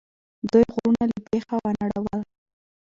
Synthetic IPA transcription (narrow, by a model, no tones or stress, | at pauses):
d̪ujɣuɾunalapexawanaɽawal